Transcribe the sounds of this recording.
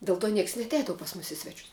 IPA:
dʲɛlˠ toː ˈnʲiɛks ɪ nʲɛɐtʲˈɛɪdɐʋʊ pɐs mʊs ɪ ˈsʲʋʲæːt͡ʃʲʊs

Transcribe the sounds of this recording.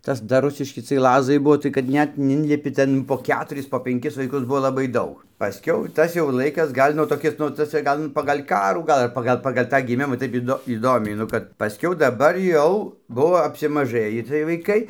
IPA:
ˈtɐs dɐr ˈrʊsʲɪʃʲkʲɪ t͡sʲiɛj ˈlˠɑːzɐɪ ˈbuɔ tɐɪ kɐt ˈnʲɛt nʊ ˈɪnʲlʲɪpʲɪ ˈtʲɛn poː ˈkʲæːtʊrʲɪs poː pʲɛŋʲˈkʲɪs ʋɐɪˈkʊs ˈbuɔ ˈlˠɑːbɐɪ ˈdɐʊk pɐˈsʲkʲɛʊ ˈtɐs jɛʊ ˈlˠɐɪkɐs ˈɡɐlʲ nʊ toːˈkʲɪs nʊ tɐˈsɐɪ ˈɡɐlˠ nʊ pɐɡɐlʲ ˈkɑːruː ˈɡɐlˠ ɐr ˈpɑːɡɐlˠ pɐɡɐlʲ ˈtɑː ɡʲɪˈmʲɪmɐ ˈtɐɪp ɪˈdoː iːˈdoːmʲɛɪ nʊ ˈkɐt pɐˈsʲkʲɛʊ dɐˈbɐr ˈjɛʊ ˈbʊʋoː ɐpʲsʲɪmɐˈʒɘjiː t͡sʲiɛj ʋɐɪˈkɐɪ

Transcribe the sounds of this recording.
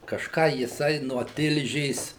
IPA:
kɐʃˈkɑː jɪˈsɐɪ nuɔ ˈtʲɪlʲʒʲeːs

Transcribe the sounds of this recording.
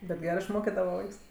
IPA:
bʲɛt ˈɡʲæːrɜ ɪʃˈmoːkʲɪdɐʋɐ ˈʋɐɪks

